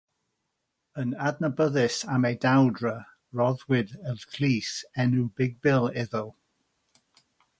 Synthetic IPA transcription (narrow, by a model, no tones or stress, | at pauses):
ənadnəbəðɪsamejdawdɹə | ɹɔðwɪdəlkʰl̥iːsɛnubɪɡ̚bɪlˠɪðɔlˠ